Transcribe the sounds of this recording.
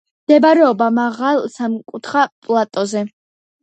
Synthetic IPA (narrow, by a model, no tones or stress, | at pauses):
md̪̥ɛbaɾɛɔbamaʁalˠsamkʼut̪ʰχapʼlˠat̪ʼɔzɛ